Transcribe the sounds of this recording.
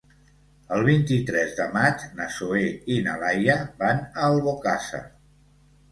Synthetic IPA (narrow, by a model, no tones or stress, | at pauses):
əlˠβ̞int̪it̪ɾɛzðəmad͡ʒnəsoeinəlajəβanəlˠβokasə̰